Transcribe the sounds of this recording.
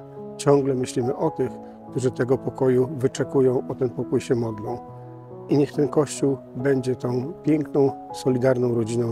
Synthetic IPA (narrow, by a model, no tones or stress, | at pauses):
t͡ɕɔ̃ŋɡlɛmɘɕlʲimɘʔɔt̪ɘx | kt̪uʐɘt̪ɛɡɔpɔkɔjuvɘt͡ʂɛkujɔ̃w̃ʔɔt̪ɛnpɔkujɕɛmɔd̪lɔ̃w̃ | iɲɛxt̪ɛnkɔɕt͡ɕuw | bɛɲd͡ʑɛt̪ɔ̃w̃pʲjɛŋknɔ̃w̃sɔlʲid̪aɾnɔ̃w̃ɾɔd͡ʑinɔ̃